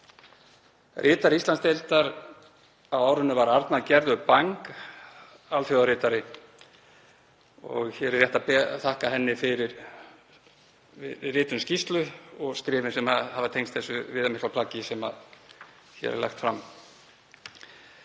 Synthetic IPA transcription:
rʔɪːt̪aɾist̪lanst̪elt̪aɾ | awaːwɾʏnːʏvaɾaɾt̪naðcɛɾðʏpaŋk | altθjowðaɾɪːt̪aɾɪ | ɔ̰ɣçɛɾɛrjɛht̪apɛθahkaɦɛnːɪfɪɾɪɾ | vɪrɪːt̪ʏnscist̪lʏɔɣskɾɪːvɪnsɛmahavɪt̪ʰejnst̪θɛsʏvɪːðamɪsklapʰlaːcɪsɛma̰ð | çɛ̰ɾɛ̰ɾlɛ̰xt̪fɾam

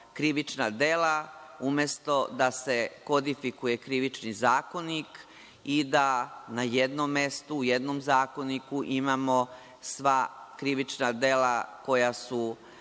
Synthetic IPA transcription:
kɾiʋit͡ʃnad̪e̞laumest̪o̞d̪ase̞ko̞d̪ifikuje̞kɾiʋit͡ʃnizaːko̞nik | id̪anajed̪nomːe̞st̪uːje̞d̪nomzaːko̞nikuʔimaːmo̞ | sʋakɾiʋit͡ʃnad̪e̞lako̞jasu

